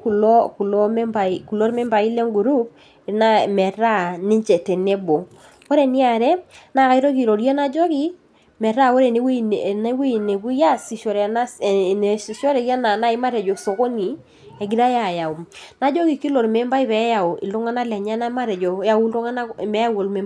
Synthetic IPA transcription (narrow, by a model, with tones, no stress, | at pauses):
ku˨lɔ˦ku˨lɔ˦mɛ˦mba˨i˨ku˨lo˦ɾmɛ˦mba˨i˦le˦ŋɡu˨ɾu˦b̚ | na˦mɛ˨ɾa˦nɪ˦ɲt͡ʃɛ˨tɛ˨ne˦bo˨ | wo˦ɾe˨nɪ˦a˨ɾɛ˦na˦˨ka˦i˦ɾo˦ki˨ɾo˨ɾje˦na˦d͡ʒɔ˦ki˦ | mɛ˨ɾa˦˨wo˦ɾe˨ne˦wi˦˨na˦wi˦˨ne˨ɡu˦ja˦si˨ʃɔ˨ɾɛ˨na˦˨ne˨si˨ʃɔ˦ɾɛ˨ja˦na˨na˦ɪ˦ma˦ɾɛ˨d͡ʒɔ˨so˨ko˦ni˨ | ɛ˨ɡi˦ɾa˦ja˨ja˨o˨na˦d͡ʒɔ˦ki˨ki˦lo˨ɾme˦mba˦i˦βɛ˨˦ja˨o˨ʔɪ˨lu˦ŋa˦na˦lɛ˨ɲɛ˦na˦ma˦ɾɛ˨d͡ʒɔ˨ja˨wu˦lɔ˦ŋa˦na˦˨mɛ˦a˦wo˨lmɛ˦